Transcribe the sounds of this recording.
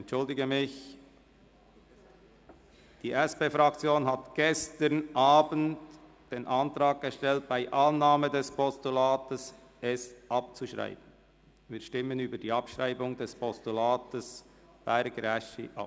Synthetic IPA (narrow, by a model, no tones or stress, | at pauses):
ɛntt͡ʃʊldɪɡəmɪç | d̥iːʔɛspeːfʁɑkt͡sjoːnɦatɡ̥ɛstənʔaːbənt | d̥eːnʔɑntɾaːɡ̚ɡ̥əʃtɛlt̚b̥aɪʔɑnːaːmədɛspɔstulaːtəs | ɛsʔɑp̚t͡suʃʁa̰ɪb̥ən̩ | viːʃtɪmənyːbədiːɑpʃʁaɪbʊŋdɛspʰɔstulaːtəs | b̥æɪɾɡɾɛʃḭʔɑ̰p